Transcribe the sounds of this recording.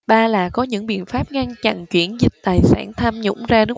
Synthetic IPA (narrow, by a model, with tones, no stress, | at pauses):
ɓaː˧laː˨˩kɔ˨˦ɲɨ̰˧˥ŋɓḭ˧˨ənfaː˦˥p̚ŋa˧nt͡ɕa̰˧˨nt͡ɕwi˧˩ənzï˨˩t̚t̪aː˨˩jsaː˧˩nt̪ʰaː˧mɲʊ̰˧˥ŋ͡mzaː˧nɨ˦˥